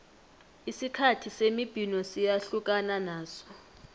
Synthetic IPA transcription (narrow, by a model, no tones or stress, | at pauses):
isikʰatʰisemib̥ʱinɔsijaɬuk̬ʼananaːsɔ̥